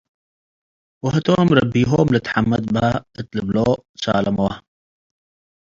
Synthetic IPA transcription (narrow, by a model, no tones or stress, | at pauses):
wɐɦɐt̪oːmɾɐbiːɦoːmlət̪ħamːɐd̪̚baət̪ləbloːt͡sa̰ːlɐmowɐ